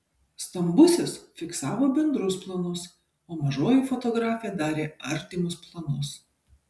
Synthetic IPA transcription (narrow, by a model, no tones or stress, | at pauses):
st̪ɐmbʊsʲɪsfʲɪksɑːʋoːbʲɛnd̪ɾʊsplˠɐnʊs | oːmɐʒoːjifɔt̪ɔɡɾɑːfʲɪjɛd̪ɑːɾʲeːɐɾʲt̪ʲɪmʲʊsplˠɐnʊs